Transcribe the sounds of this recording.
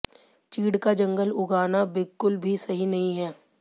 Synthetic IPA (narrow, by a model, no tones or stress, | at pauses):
t͡ʃiːɽkad͡ʒɐ̃ŋɡəlʊɡaːnabɪlkʊlbʱisɐɦinɐɦĩɦɛː